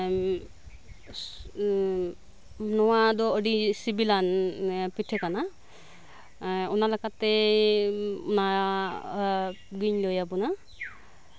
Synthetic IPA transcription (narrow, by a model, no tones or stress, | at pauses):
nɔwadɔːdisibilanpitʰɛkana | unalakatːɛ | una | ɡiɲlojabuna